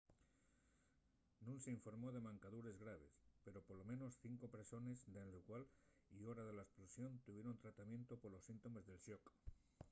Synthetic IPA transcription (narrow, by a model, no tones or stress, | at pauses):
nũnseiɱfo̞ɾmo̞ðe̞mãŋkaðuɾe̞zɣɾaβ̞e̞̰spe̞ɾo̞polo̞mẽ̞no̞sθiŋko̞pɾe̞so̞ne̞zd̪elukwal | io̞ɾaðe̞laesplosjo̞nt̪uβje̞ɾont̪ɾat̪amje̞nt̪opoɾlo̞sint̪o̞me̞zðe̞lʃok